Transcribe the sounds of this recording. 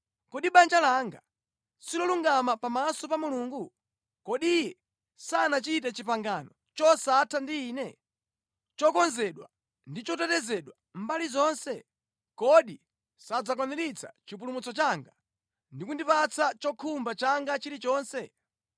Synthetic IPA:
kɔɗiɓand͡ʒalaːŋɡa | silɔluŋɡamapamasɔpamuluːŋɡu | kɔɗijɛ | sanat͡ʃit̬ɛt͡ʃipaŋɡanɔ | t͡ʃɔsatʰandiːnɛ | t͡ʃɔkɔnzɛɗwa̰ | ndit͡ʃɔtɛtɛzɛɗwa | m̩balizɔnsɛ | kɔɗi | sad͡zakwaniɾit͡sʰa̰t͡ʃipulumut͡sɔt͡ʃaːŋɡa | ndikundipat͡sʰat͡ʃɔkʰumbat͡ʃaŋɡat͡ʃiɾit͡ʃɔːnsɛ

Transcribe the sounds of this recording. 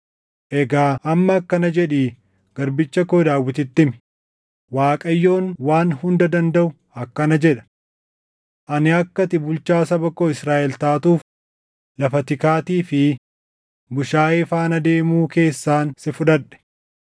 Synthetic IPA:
ʔɛɡaːʔɐmːɐːkːɐnɐd͡ʒɛᶑiː | ɡ̥ɐɾbɪt͡ʃːɐkoɪd̪aːwːɪt̪ɪt̪ːɪmɪ̥ | waːkʼɐjːo̞ːnwaːnhʊnd̪ɐd̪ɐnd̪ɐʔʊ | ɐkːɐnɐd͡ʒɛᶑɐ̥ | ʔɐnɪɐkːɐt̪ɪbʊlt͡ʃaːsɐbɐkːoːɪsɾaːʔɛlt̪aːt̪uːf | lɐfɐt̪ɪkaːt̪iːfɪ | bʊʃaːɪfaːnɐd̪e̞ːmuːke̞ːsːaːnsɪfʊᶑɐᶑɛ̥

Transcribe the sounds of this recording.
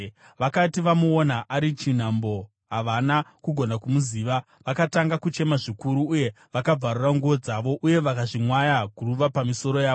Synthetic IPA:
ʋakatiʋamuonaʔaɾit͡ʃin̤ambo̞ | ɦaʋanakuɡʱo̞nakumuziːʋa | ʋakataŋɡakut͡ʃe̞maʐikuɾuːje̞ | ʋakab͡varuraŋɡuʋo̞d͡zaʋo̞ʔuje̞ʋakaʐimwajakuruʋapamiso̞ɾo̞jaːo

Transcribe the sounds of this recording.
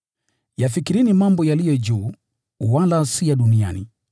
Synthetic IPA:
jafikiɾinimambɔjalijɔd͡ʒuː | walasijaɗunia̰nḭ

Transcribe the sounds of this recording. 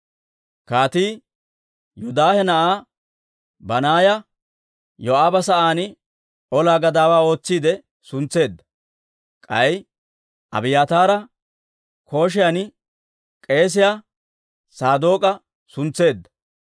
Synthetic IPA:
kaːt̪iː | jʊd̪aːhɛnɐʔaː | bɐnaːjɐ | jɔʔaːbɐsɐʔaːnɪ | ʔɔlaːɡɐd̪aːwaːo̞ːt͡sːiːd̪ɛ | sʊnt͡sːe̞ːd̪ːɐ̥ | kʼɐj | ʔɐ̰bɪjaːt̪aːɾɐ | ko̞ːʃ̬ɪjɐn | kʼe̞ːs̬ɪja | saːd̪o̞ːkʼɐ | sʊnt͡sːe̞ːd̪ːɐ̥

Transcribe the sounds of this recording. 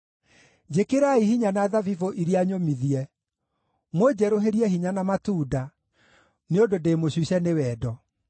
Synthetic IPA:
d͡ʑekeɾaihiɲanaðavivoʔiɾiaɲomiðiɛ | mod͡ʑɛɾoɦeɾiɛɦiɲanamatuːda | neododeːmoɕiɕɛnewɛːdɔ

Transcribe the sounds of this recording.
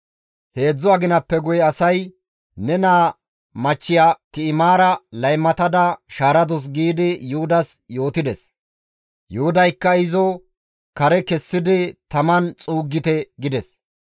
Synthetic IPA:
he̞ːd͡zːʊaɡɪnɐpːɛɡʊjɐsɐj | nɛnaː | mɐt͡ʃːɪjaːt̪ɪɪmaːɾɐlɐjmːɐt̪ɐd̪ɐʃaːɾɐd̪ʊs̬ɡiːd̪ɪjʊhʊd̪ɐsjo̞ːt̪ɪd̪ɛs | jʊhʊd̪ɐjkːɐɪzɔ | kɐɾɛkɛsːɪd̪ɪt̪ɐmɐnt͡sʼuːɡːɪt̪ɛɡɪd̪ɛs

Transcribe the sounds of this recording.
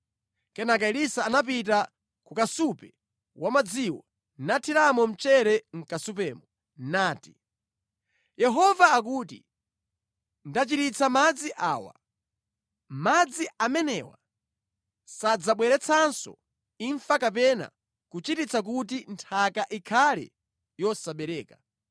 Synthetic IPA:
kɛnakaiɾisaːnap̬it̬a | kukasupɛ | wʔamad͡ziwɔ | natʰiɾamɔm̩t͡ʃɛɾɛŋ̩kasup̬ɛːmɔ | naːti | jɛɦɔvaːk̬uːtḭ | ndat͡ʃitit͡sʰamad͡ziʔaːwa̰ | mad͡ziamɛnɛwa̰ | sad͡zaɓwɛɾɛt͡sʰansɔ̰ | iɱfakap̬ɛna̰ | kut͡ʃitit͡sak̬ut̬intʰakaʔikʰalɛ̰ | jɔsaɓɛɾɛːka

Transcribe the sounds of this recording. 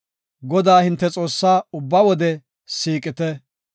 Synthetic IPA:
ɡɔd̪aːhɪnt̪ːɛt͡sʼo̞ːsːaːʊbːɐwɔd̪ɛ | siːkʼɪt̪ɛ

